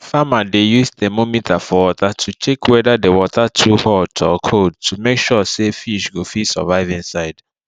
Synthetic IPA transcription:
famadejustemomitʰafɔwɔtatʰut͡ʃekʰwɛdadewɔtʰatʰuhɔtɔkʰod̚tʰumekʃɔsefiʃɡofisɔ̰vaɪvĩnsaɪd

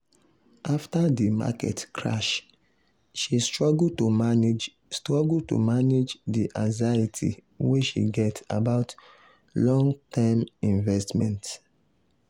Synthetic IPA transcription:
ʔaftadima̰kɛ̰tkʰɹa̰ʃ | ʃistɹɔɡltoa | stɹɔɡultṵmaned͡ʒdiʔãŋzajitʰḭ | weʃḭɡɛta̰baʊt | lɔ̃ŋtʰɛmĩnvɛstmɛ̰̃nt

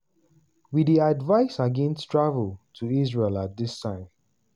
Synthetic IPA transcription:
widiadvaɪsaɡɛ̃nstʰɹavəltʰuisɹelat̚dɪstʰãɪ̃m

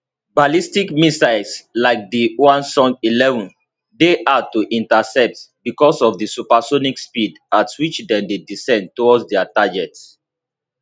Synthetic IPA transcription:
balistikmisaɪslaɪk̚diwãnsɔ̃ŋilɛvɔ̃n | deʔatuʔĩntasɛp̚tbikɔsɔfdisupasonikspid | atwit͡ʃdɛ̃ndedisɛ̃ndtɔwɔdsdɛataɡɛts

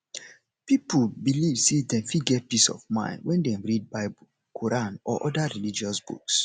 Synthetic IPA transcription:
piplbilivsedɛ̃mfiɡɛt̚pisɔ̰vmã̰ɪ̃ndwɛ̃ndɛ̃mɹid̚baɪbu | kʰoɹãnɔ̰ʔɔdaɹilid͡ʒiɔsb̥ṵks

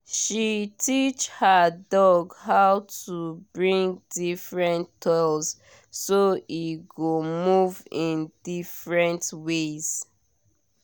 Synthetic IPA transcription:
ʃitit͡ʃhadɔɡhaʊtubɹĩŋdifɹɛ̃nʰɔlz | soiɡomuvĩndifɹɛ̃ntwez̥

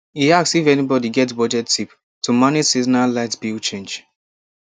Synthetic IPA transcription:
iaksifɛnibɔdiɡɛtbɔd͡ʒɛttip | tʰumanesiznalaɪtbilt͡ʃẽnd͡ʒ

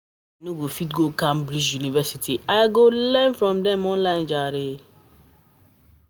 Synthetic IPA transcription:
nuɡofitɡokãmbɾid͡ʒjunivɛsitʰiʔajɡolɛ̃nfɹɔ̃mdɛ̃mɔ̃nlãɪ̃nd͡ʒaɾe

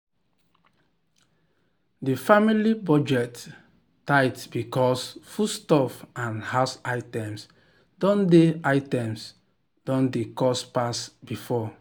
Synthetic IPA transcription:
difamilibɔd͡ʒɛt | taɪtb̥ikɔsfustɔfãnhasaɪtɛ̃ms | dɔ̃ndeaɪtɛ̃ms | d̥ɔ̃ndekɔspasbifɔ

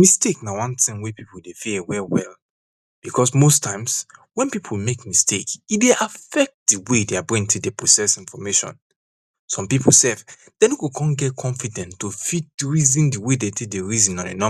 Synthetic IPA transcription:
misteknawãntĩŋwepipoldefeewɛwɛl | b̥ikʰɔsmostʰãɪ̃mswɛ̃npipʰolmekmistʰekideʔafɛk̚t̚diwedeabĩntʰedepɹosɛsĩnfɔmeʃɔ̰̃n | sɔ̃mpipʰol̩sɛv | d̥ɛ̃njukukʰɔ̃nɡɛt̚kʰɔ̃ɱfidɛ̃ntːofit̚dɹizĩndiwedetʰedeɹizĩnɔ̃nḛnɔ̃

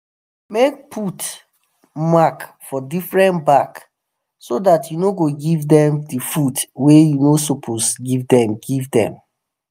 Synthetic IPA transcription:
mek̚pʰut | makfɔdifɹɛ̃ntbak | sodatjunoɡoɡivdɛ̃mdifudwejunosopʰosɡivdɛ̃mɡivdɛ̰̃m

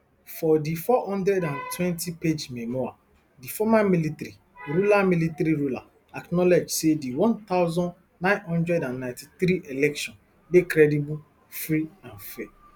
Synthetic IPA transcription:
fɔdifɔhɔ̃ndɾɛdãntʰwɛ̃ntiped͡ʒmɛmɔa̰ | difɔmamilitɾi | ɾulamilitaɾiɾula̰ | aknɔled͡ʒsediwɔ̃nt̪aʊzɔ̃nː | ãɪ̃nhɔ̃ndɾɛdãnːãɪ̃ntiθɾiʔelɛkʃɔ̃n | bekɾɛdibu | fɾiãnfɛ

